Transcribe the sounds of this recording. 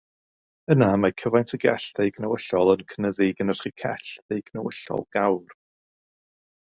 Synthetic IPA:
ənamakʰəvajntʰəɡɛ̰ɬðejɡnəwəɬɔlˠənkʰənəðɪɡənər̥χikʰɛ̰ɬðejɡ̥nəwəɬɔ̰lˠɡ̥awr

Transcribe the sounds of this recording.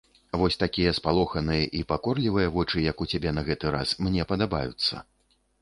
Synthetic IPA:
vɔsʲt̪akʲijɐspalˠɔxɐnɨjɐʔipakɔrlʲivɨjɐvɔt͡ʂɨjɐkut͡sʲabʲɛnɐɣɛt̪ɨɾa̰smnʲɛpɐd̪aba̰jṵt̪sːɐ̰

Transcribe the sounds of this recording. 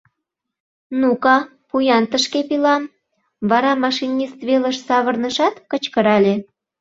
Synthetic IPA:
nukɑ | pujɑnt̪əʃkepilɑm | βɑɾɑmɑʃinʲist̪βeləʃsɑβərnəʃɑt̪kət͡ɕkəɾɑlʲe

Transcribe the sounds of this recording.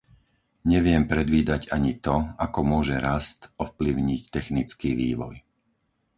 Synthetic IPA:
ɲɛʋɪɛmpɾɛd̪ʋiːd̪aɟaɲit̪ɔakɔmʊɔʒɛɾast̪ɔfpliʊɲict̪ɛxnit͡skiːʋḭːʋɔ̰j

